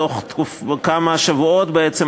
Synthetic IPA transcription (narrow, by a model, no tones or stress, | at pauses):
oχtkufkamaʃavuo̞tbeet͡sem